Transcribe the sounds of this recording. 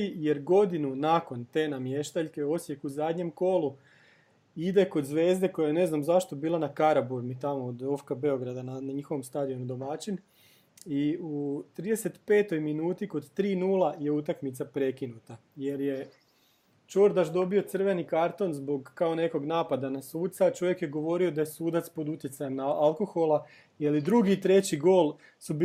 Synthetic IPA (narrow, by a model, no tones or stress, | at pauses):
ije̞ɾɡo̞d̪inunako̞nt̪enamje̞ʃt̪aʎke̞o̞sjekuzaːd̪ɲe̞mko̞lu | id̪eko̞d̪zʋe̞ːzd̪e̞ko̞jajene̞znamzaʃt̪obiːlˠanakaɾabuɾmit̪amoːd̪ofkabe̞o̞ɡɾad̪ananɲixo̞ʋomst̪aːd̪io̞nud̪o̞mat͡ʃin | iut̪ɾiːd̪e̞se̞t̪pe̞ːt̪o̞jminuːt̪iko̞d̪t̪ɾiːnuːlˠaje̞ut̪akmit̪sapɾe̞kinut̪a | je̞ɾje̞ | t͡ʃoɾd̪aʃd̪o̞bio̞t̪sr̩ʋe̞nikaɾt̪o̞nzbo̞ɡkːao̞ne̞ko̞ɡnaːpad̪anasuːt̪sat͡ʃo̞ʋje̞kje̞ɡo̞ʋo̞ɾiod̪ajesuːd̪at̪spo̞d̪ut̪jetsajemnaalˠko̞xo̞lˠa | jalid̪ɾuɡit̪ɾe̞t͡ɕiɡo̞ːlˠ | sub